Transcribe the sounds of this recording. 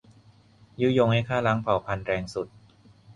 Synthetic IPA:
jɯː˦˥˩jo˧ŋha˥˩jkʰaː˥˩la˦˥ŋpʰa˨˩˦wpʰa˧nɾɛː˧ŋsu˨˩t̪̚

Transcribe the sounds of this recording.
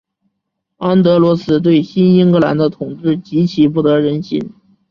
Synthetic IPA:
a˥nt̪ɤ˧˥lwɔ˧˥sɹ̩˧˥t̪̬we˥˩ɪɕi˥ni˥ŋkɤ˧˥la̰˧˥nd̪ə˧t̪ʰʊ˨˩ŋʈ͡ʂɻ̩˥˩t͡ɕi˧˥t͡ɕʰi˨˩p̬u˥˩t̪ɤ˧˥ɻə˧˥nɕḭ˧˥n

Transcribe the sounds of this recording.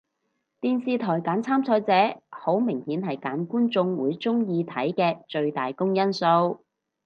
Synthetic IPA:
t̪iː˨nsiː˨˧t̪ʰɔː˨˩jkaː˨˥nt͡sʰaː˥mt͡sʰɔː˨˧jt͡sɛː˨˥ho˨˥wmɪ˨˩ŋhiː˨˥nhɐ˨jkaː˨˥nkuː˥nt͡sʊ˧ŋwuː˨˧jt͡sʊ˥ŋjiː˧t̪ʰɐ˨˥jkɛː˧t͡ʃɵ˧ɥt̪aː˨jkʊ˥ŋjɐ˥nso˧w

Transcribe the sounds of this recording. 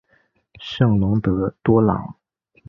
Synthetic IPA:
ʂɤ˥˩ŋlʊ˧˥ŋt̪ɤ˧˥t̪wɔ˥lɑ̰˨˩˦ŋ

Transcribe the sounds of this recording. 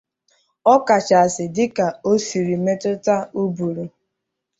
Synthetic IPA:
ɔ˦ka˨t͡ʃa˨a˨sɪ˨dɪ˦ka˨o˦si˨ɾi˨me˦tʊ˦ta˦u˦bu˨ɾu˨

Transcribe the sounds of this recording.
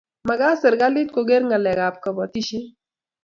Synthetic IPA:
ma˨ɡa˦sə˨ɾɡa˦li˦t̪̚ko˨ɡe˦ɾŋɡa˨lɛ˨ɡap̚ka˨bɔ˨t̪i˦ʃi˦

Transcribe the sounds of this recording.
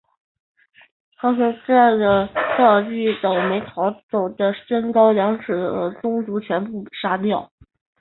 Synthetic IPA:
t̪ʰa˥ʂə˧˥ʈ͡ʂa˥˩nʈ͡ʂə˩tɑ˥˧˩t͡ɕy˥˩t̪ɑ˨˩ʊme˧˥ɪt̪ʰɑ˧˥ʊt͡so˨˩d̪ə˦ʂə˥nkɑ˥ʊjɑ˧˥ŋʈ͡ʂɻ̩˨˩xt͡sʊ˥ŋt͡su˧˥t͡ɕʰɥɛ˧˥npu˥˩ʂa˥t̪jɑ˥˩ʊ

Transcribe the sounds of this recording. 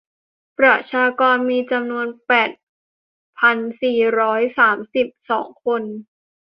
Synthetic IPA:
pɾa˧˩t̪̚t͡ɕʰaː˧kɔː˧nmiː˧t͡ɕa˧mnu˧ənpɛː˨˩t̪̚ | pʰa˧nsiː˨˩ɾɔː˦˥jsaː˩˦msi˨˩p̚sɔː˩˦ŋkʰo˧n

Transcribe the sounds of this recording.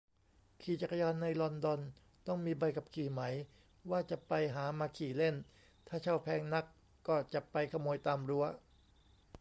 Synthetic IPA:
kʰiː˨˩t͡ɕa˨˩ka˧jɔː˧nːa˧jlɔ˧ndɔ˧n | t̪ɔ˥˩ŋmiː˧ba˧jka˨˩p̚kʰiː˨˩ma˩˦j | waː˥˩t͡ɕa˨˩pa˧jɦaː˩˦maː˧kʰiː˨˩le˥˩n | t̪ʰaː˥˩t͡ɕʰa˥˩wpʰɛː˧˥ŋna˦˥˩kː | ɔː˥˩t͡ɕa˨˩pa˧jkʰa˧moː˧jt̪aː˧mɾu˦˥ɐ

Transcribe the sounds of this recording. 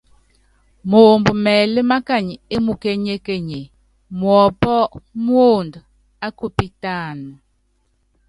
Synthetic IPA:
moː˨mbu˨mɛː˨le˦ma˦ka˦˨ɲ˨e˦mu˨ke˦ɲe˦ke˦ɲe˨ | mwɔ˨pɔ˦mwo˦˨nd | a˦ku˦˨pi˦ta˦˨nu˨

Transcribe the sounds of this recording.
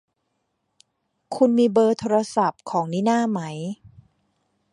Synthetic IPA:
kʰu˧nmiː˧bɤː˧t̪ʰoː˧ɾa˧sa˨˩p̚kʰɔː˩˦ŋniː˦˥naː˥˩ma˦˥j

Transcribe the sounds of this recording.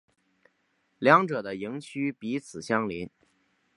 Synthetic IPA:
ljɑ˧˥ŋʈ͡ʂɤ˨˩d̪ə˦i˧˥ŋt͡ɕʰy˥pi˧˥t͡sʰɹ̩˨˩ɕjɑ˥ŋli˧˥n

